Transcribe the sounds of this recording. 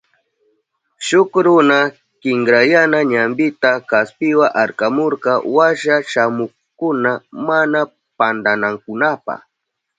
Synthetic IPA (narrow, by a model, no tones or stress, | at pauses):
ʃʊkɾʊna | kɪŋɡɾajanaɲambɪt̪akaspɪwaʔaɾkamoɾkɑwaʃaʃamʊχkʊnamana | pand̪anaŋkʊnapa̰χ